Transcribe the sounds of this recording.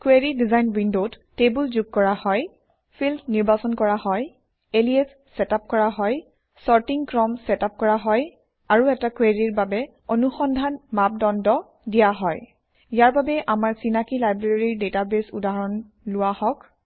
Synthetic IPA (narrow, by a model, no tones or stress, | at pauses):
kweɹidizajnwindot | tebulzuɡ̚kɔɹahɔj | fʰildniɹbasɔnkɔɹahɔj | eliɛsːɛtap̚kɔɹaɦɔj | sɔɹtiŋkɹɔmsɛtap̚kɔɹaɦɔj | aɹuɛtakweɹiɹbabɛ | onuxɔndʱanmap̚dɔndɔ | dijaɦɔj | ijaɹbabɛʔamaɹsinakilajbɹeɹiɹdetabesudaɦɹɔn | lʊwahɔk